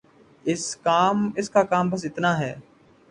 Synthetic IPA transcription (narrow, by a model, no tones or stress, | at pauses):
ɪskaːmɪskaːkaːmbəs̬ɪt̪naːɦɛː